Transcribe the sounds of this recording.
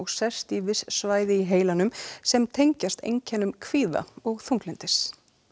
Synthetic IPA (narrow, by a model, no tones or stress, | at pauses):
ɔɣsɛst̪ivɪssvaːjðɪiɦeːjlanʏmsɛmt̪ʰejɲcast̪ḛjɲcʰɛːnʏmkʰviːða̰ɔɣθuŋklɛnt̪ɪs